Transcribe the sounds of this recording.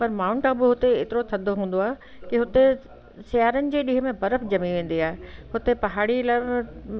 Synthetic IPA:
pɐɾmaːʊ̃ɳʈabɪɦʊt̪eeːt̪ɪɾot̪ʰɐd̪ʱoɦũːn̆d̪oaːɦe | kɪɦʊt̪e | sɪjaːɾənɪ̆d͡ʑeːɗiɦəmẽbɐɾəfd͡ʑɐmiʋẽːn̆d̪iaːɦeɦʊt̪epɐɦaːɽilã

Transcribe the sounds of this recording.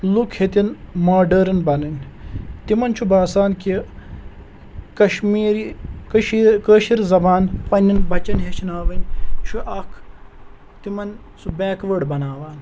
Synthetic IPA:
lukʰhet̪inmaːɖɐɾɐnbɐnɐnʲt̪imɐnt͡ʃʰubaːsaːnki | kɐʃmiːɾikʃikəːʃiɾzɐbaːnpɐnʲːinbɐt͡ʃɐnɦet͡ʃʰinaːʋɐnʲt͡ʃʰuʔɐkʰ | t̪imɐn | subɛːkʋəɖbɐnaːʋaːn

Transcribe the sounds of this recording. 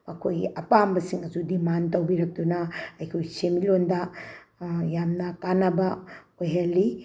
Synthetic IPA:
ɐkʰojɡḭʔɐpambɐsiŋɐd͡ʒudimantɐwbiɾɐk̚tunɐɐjkʰojsemilondɐ | jamnɐkanɐbɐ | ojɦalːi

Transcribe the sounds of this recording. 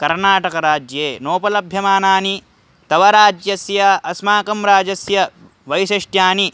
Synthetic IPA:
kɐɾnaːʈɐkɐɾaːd͡ʒjeːnoːpɐlɐbʱjɐmaːnaːni | t̪ɐʋɐɾaːd͡ʒjɐsjɐɐsmaːkɐmɾaːd͡ʒɐsjɐ | ʋɐjʃɐʂʈjaːni

